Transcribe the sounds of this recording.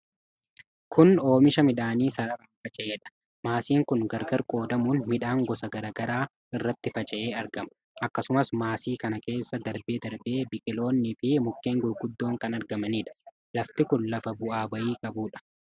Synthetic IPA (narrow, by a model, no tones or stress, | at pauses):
kʰʊno̞ːmɪʃɐmɪᶑaːniːsɐɾɐɾɐnfɐt͡ʃʼɛʔeːᶑɐ̥ | maːsiːŋkʊnɡɐɾɡɐɾkʼo̞ːd̪ɐmuːnmɪᶑaːŋɡɔsɐɡɐɾɐɡɐɾaː | ɪrːɐt̪ːɪfɐt͡ʃʼɛʔe̞ːɐɾɡɐmɐ̥ | ʔɐkːɐsʊmɐsmaːsiːkɐnɐke̞ːsːɐd̪ɐɾbe̞ːd̪ɐɾbe̞ːbɪkʼɪlo̞ːnːɪfɪmʊkːeːŋɡʊjɡʊd̪ːo̞ːŋkɐnɐɾɡɐmɐniːᶑɐ̥ | lɐft̪ɪkʊnlɐfɐbʊʔaːbɐʔiːkʼɐbuːᶑɐ̥